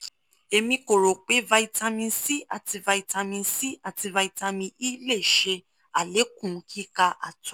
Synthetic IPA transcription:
e˧mĩ˧ko˨ɾo˨k͡pe˨˦va˧i˧ta˧mĩ˧nsi˦ʔa˨ti˧va˧i˧ta˧mĩ˧n˦si˦a˦˨ti˧va˧i˧ta˧mĩ˧i˦le˦˨ʃe˧ | a˨le˨˦kũ˦˨˦kʰi˦ka˧ʔa̰˨tu˨˦

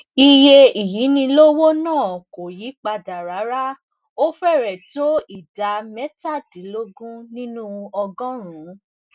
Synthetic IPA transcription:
i˧je˧i˨ji˨˦nĩ˧lo˦wo˦nãː˦˨ko˨ji˨˦k͡pa˧da˨ɾa˨˦ɾa˦ | o˦fɛ˦˨ɾɛ˨to˦i˦˨da˨˦mɛ˦ta˦˨dĩ˨˦lo˦ɡũ˦nĩ˦nũ˦ɔ˧ɡɔ̃˦ɾ̃ũ˨˦

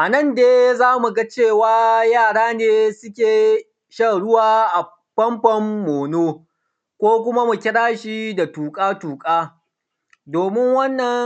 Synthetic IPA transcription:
ʔa˨nɐ˦˨ndeː˦zaː˦mu˨ɡa˦t͡ʃeː˦˨waː˦jaː˦˨ɽaː˦neː˦sʊ˦kʲeː˨ | ʃɐ˦ɽʊ˦waː˦ʔa˨ | ɸɐ˦mɸɐ˦mːoː˨noː˦ | kʷoː˦kʷʊ˦ma˦mu˨kʲɪ˦ɽaː˦ʃi˦da˨tuː˨kʼaː˦tuː˨kʼaː˦ | doː˨mɪ˦ŋwɐ˦nːɐ˨ŋ

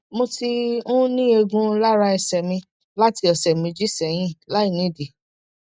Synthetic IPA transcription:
mo˧ti˧ũ˦nĩ˦e˧ɡũ˧la˦ɾa˧ɛ˧sɛ˨mĩ˧ | la˦ti˧ɔ˨sɛ˨mĩ˧d͡ʒi˦sɛ˨j̃ĩ˦la˨˦i˦˨nĩ˨˦˨di˨

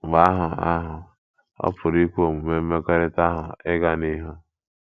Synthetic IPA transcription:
ba˦ɦʊ˨a̰˦ɦʊ˨ | ɔ̰˦pʰʊ˨ɾi˦kʷu˦o˨mu˨me˦m̩˦me˦ke˦ɾɪ˦ta˦ɦʊ˨ɪ˦ɡa˦ni˦ɦo˦

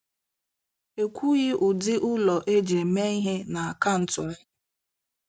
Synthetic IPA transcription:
e˨kʷu˦ɣɪ˦ʔʊ˨dɪ˦ʔʊ˦lɔ˨ʔe˦d͡ʒe˨me˦i˦ɦe˦na˨a˨ka˦n̩˨tʊ˨˦

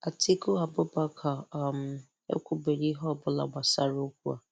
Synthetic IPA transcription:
a˨ti˦ko˦a˨bʊ˦ba˦kʰa˨m̩˨ | ḛ˦kʷu˦be˨ɾi˦ɦɔ˦˨bʊ˦la̰˨ɡ͡ba˨sa˦ɾo˦kʷu˦a̰˨

